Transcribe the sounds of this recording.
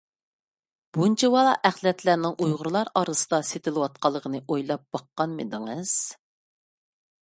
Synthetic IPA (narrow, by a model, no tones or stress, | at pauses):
b̥unt͡ʃʰɛwɑlˠɑ̰ʔæχlˠɛt̪ʰlæɾnɪŋʔujʁʊɾɨlˠɑɾɑɾɨsɨ̥d̪ɑset̪ʰɪlˠɨwɑt̪̚qɑlˠːəʁʰənɨʔojlˠɑp̚b̥ɑqːɑnmɨ̰d̪ɨŋɨz̥